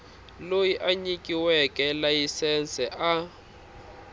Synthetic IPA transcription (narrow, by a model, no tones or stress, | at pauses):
lojiʔaɲikʼiwɛkʼɛlajisɛnsɛʔa